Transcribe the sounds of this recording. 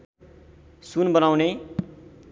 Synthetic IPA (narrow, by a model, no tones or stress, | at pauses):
sunbʌnawne